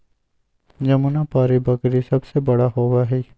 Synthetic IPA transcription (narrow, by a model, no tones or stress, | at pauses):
d͡ʒɐmunapaːɾibəkɾisɐbsebɐɽaɦoːʋaɦɛː